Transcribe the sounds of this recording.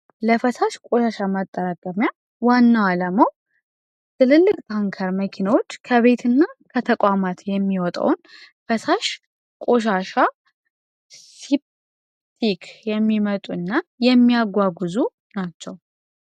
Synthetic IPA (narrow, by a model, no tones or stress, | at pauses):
ləfəsaʃkʼo̞ʃaʃamət̪ʼːəɾakʼəmja | wanːawaləməw | t̪ʰɨlɨlːɨkʼt̪ʰaŋkʰəɾməkʰinawo̞t͡ʃːkʰəβe̞t̪ʰɨnːakʰət̪ʰəkʷʼamat̪jɛmːiwɔt̪ʼa̰wn | fəsaʃ | kʼo̞ʃ̬aʃa | sip | t̪ʰikʰjɛmːimət̪ʼuɨnːajɛmːijaɡʷaɡuzu | nat͡ʃːɛw